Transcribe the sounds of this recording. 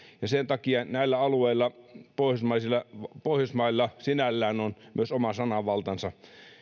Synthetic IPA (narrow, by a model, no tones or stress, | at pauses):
jɑsent̪ɑkiɑnæilːæɑlueilːˑɑpoˑihjosmɑisilːɑpoˑihjosmɑilːɑsinælːæːnonmy̰øsomɑsɑnɑʋɑlt̪ɑnsɑ